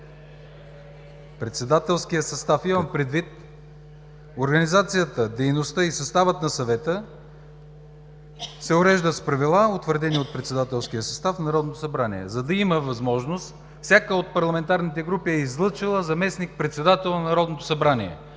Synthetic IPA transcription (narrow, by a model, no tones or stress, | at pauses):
pɾɛt̪sɛd̪at̪ɛlˠskijəsɐst̪afiməmpɾɛd̪vit̪ | oɾɡɐnizat̪sijət̪əd̪ɛjnost̪əisɐst̪avət̪nɐsɐvɛt̪ə | sɛʊɾɛʒd̪əspɾɐvilˠaot̪vəɾd̪ɛniot̪̚pɾɛt̪sɛd̪at̪ɛlˠsk̟ijəsɐst̪afnɐɾɔd̪not̪osɐbɾaniɛ̰zɐd̪ɐiməvɐzmɔʒnost̪ | fsʲjakəot̪̚pɐɾlˠɐmɛnt̪aɾnit̪ɛɡɾupiɛizlˠɤt͡ʃilˠəzɐmɛsnik̚pɾɛt̪sɛd̪at̪ɛlˠnɐɾɔd̪not̪osɐbɾaniɛ̰